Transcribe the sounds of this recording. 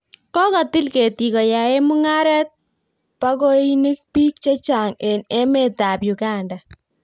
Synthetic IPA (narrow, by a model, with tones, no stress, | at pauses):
kɔ˦kɔ˨tɪ˦lke˨ti˨kɔ˨ja˨e˦mu˦ŋa˦ɾɛ˦t̚ | pa˦ko˦i˦ni˦k̚pi˦k̚t͡ʃe˦t͡ʃa˨ŋe˨ne˦me˦ta˨pju˨ɡa˦nda˨